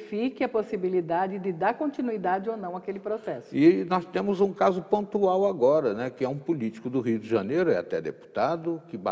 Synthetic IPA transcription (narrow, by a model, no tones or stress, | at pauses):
fikɪɐposibilid̪ad͡ʒɪd̪ɪd̪aɾkõnt̪inuid̪ad͡ʒɪonɐ̃w̃akelɪpɾosɛsʊɪnɔst̪ẽmʊzũkazʊpõnt̪uawaɡɔɾɐnɛkɪɛũpʊlit͡ʃi̥kʊd̪ʊɦiʊd̪ɪʒɐnejɾʊɛa̰t̪ɛd̪ḛpu̥t̪ad̪ʊkɪba